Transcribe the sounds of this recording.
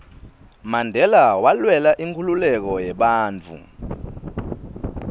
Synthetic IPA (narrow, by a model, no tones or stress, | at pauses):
mandʱɛlawalwɛlaʔiŋkʰululɛk̬ɔjɛɓaːnt͡fʰṵ